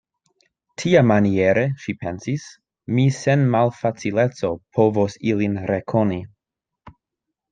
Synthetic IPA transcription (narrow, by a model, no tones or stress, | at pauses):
tʰiamanieɾeʃipʰensis | misenmalfat͡silet͡so̞pʰovosilinɾekʰoni